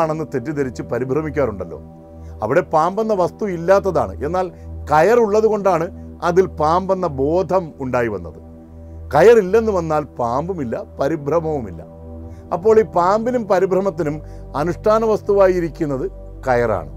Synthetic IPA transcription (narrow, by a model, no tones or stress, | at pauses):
aːɳe̞nːɨt̪etːit̪eɾit͡ɕːɨpɐɾibʱrɐmikʲːaːɾuɳɖɐlːo̰ː | ɐ̰ʋiɽe̞paːmbɐnːɐʋɐst̪uilːaːt̪̬ːɐða̰ːɳɨ̰ʔe̞nːaːlkɐjɐruɭːɐðuɣo̞ɳɖaːɳɨɐðilpaːmbɐnːɐbo̞ːd̪ʱɐmuɳɖaːjiʋɐ̰nːɐ̰ðɨ | kɐjɐrilːe̞nːuʋɐnːaːlpaːmbumilːɐpɐɾibʱrɐmɐʋumilːɐ̰ | ɐpːo̞ːɭiːpaːmbinumpɐɾibʱrɐmɐt̪̬ːinum | ɐnuʂʈʰaːnɐʋɐst̪uʋaːjiɾikʲːunːɐðɨ | kɐjɐra̰ːɳɨ